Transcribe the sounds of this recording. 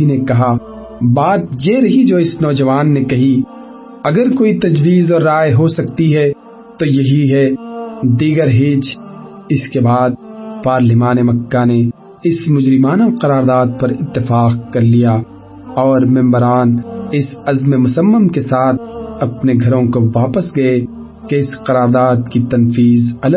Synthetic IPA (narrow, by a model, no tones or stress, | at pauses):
inekɐɦa | baːt̪̚jeɾɐɦid͡ʒoːɪsnɔːd͡ʒɐʋaːnːekɐɦi | ɐɡəɾkoːit̪ɐd͡ʒwiːzɔːɾːaːeɦosɐk̚t̪iɦɛ | t̪ojɐɦiɦɛ | d̪iːɡəɾɦɪːt͡ʃɪskebaːd̪̚paːɾlɪmaːnemɐkːane | ɪsmʊd͡ʒɾɪmaːnaqɐɾaːɾd̪aːd̪̚pɐɾɪt̪ːɪfaːq̚kɐɾlijaː | ɔːɾmɛ̃mbəɾaːnɪsɐzmemʊsəmːəmkesaːt̪̚ʰɐpneɡʱɐɾõkoʋaːpəsɡɐe | keɪsqɐɾaːɾd̪aːd̪̚kit̪ɐnfiːzɐlə